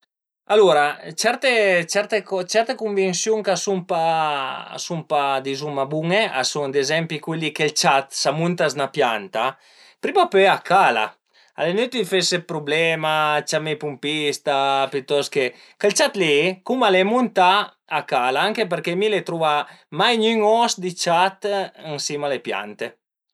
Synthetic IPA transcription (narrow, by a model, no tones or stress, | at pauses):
aluɾat͡ʃɛɾt̪et͡ʃɛɾt̪ekɔt͡ʃɛɾt̪ekuɱvinsjuŋkasumpa̰ | sumpad̪izumabuŋea̰suŋd̪ezɛmpikwelikelt͡ʃat̪samunt̪aznapjant̪a | pɾimapøakala̰ | a̰lenyt̪ifesepɾublɛmat͡ʃamepumpist̪apyt̪ɔske | kelt͡ʃat̪likumalemunt̪aː | kalaaŋkepeɾkemilet̪ɾuvamajɲyŋɔsd̪it͡ʃat̪ənsimalepja̰nt̪e